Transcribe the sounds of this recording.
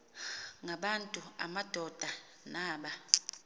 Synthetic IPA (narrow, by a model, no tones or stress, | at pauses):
ŋɡʱaɓantʼua̰mad̥ʱɔd̥ʱa | naːɓa